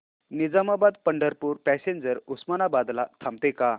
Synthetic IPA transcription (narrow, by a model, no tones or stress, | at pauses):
nid͡zamabad̪̚pəɳɖəɾpuːɾpɛseɲd͡ʑəɾusmanabad̪la̰t̪ʰamt̪eka